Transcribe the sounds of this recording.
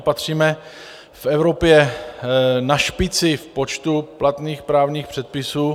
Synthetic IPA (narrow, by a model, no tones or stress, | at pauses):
pat̪r̝̥iːmɛ | fɛvɾo̞pjɛ | naʃpɪt͡sɪfpo̞t͡ʃt̪uplat̪niːxpɾaːvɲiːxpr̥ɛt̪̚pɪsuː